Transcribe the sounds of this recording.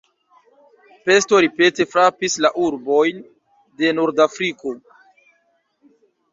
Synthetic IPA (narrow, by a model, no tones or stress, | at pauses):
pe̞sto̞ɾipe̞te̞fɾapislaʔuɾbo̞jn | de̞noɾdafɾiko̞